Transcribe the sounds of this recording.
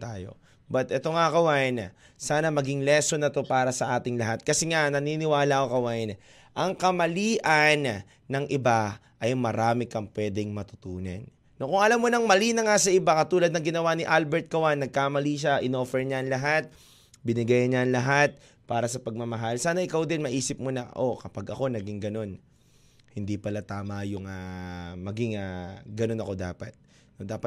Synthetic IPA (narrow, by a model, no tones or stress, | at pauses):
t̪aːjo̞̰ | bɐt̪ʔɛt̪o̞ŋakɐwajn | saːnɐmɐɡɪŋlɛsonɐt̪o̞paːɾɐsɐʔaːt̪ɪŋlɐɦat̪̚kɐsɛŋanɐninɪwaːlaʔokɐwaʔɪn | ʔɐŋkɐmɐliːʔɐn | nɐŋʔɪbaʔɐjmɐɾaːmɪkɐŋpwɛːd̪ɛŋmɐt̪ʊ̥t̪uːnɐ̰nː | okʊŋɐlamːonɐŋmɐliːnɐŋasɐʔɪbakɐt̪uːlɐd̪nɐŋɡɪnɐwanɪʔalbɛɹt̪̚kɐwanːɐɡ̚kamɐliʃaʔɪno̞ːfɛɹɲaɐŋlɐɦat̪̚ | bɪnɪɡajɐɲaɐŋlɐɦat̪̚ | paːɾɐsɐpɐɡ̚mɐmɐɦalsaːnɐʔɪkawd̪ɪnmɐʔiːsɪp̚monɐʔokɐpaɡʔɐko̞nɐɡɪŋɡɐno̞n | hɪnd̪ipɐlat̪aːmɐjʊŋamɐɡɪŋaɡɐno̞nɐko̞d̪a̰ːpɐt̪̚ | nod̪aːpɐ